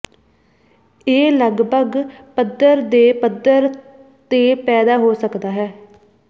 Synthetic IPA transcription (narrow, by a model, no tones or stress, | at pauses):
eːləɡbəɡpəd̪əɾd̪eːpəd̪əɾ | t̪eːpɛːd̪aːɦoːsəkd̪aːɦɛː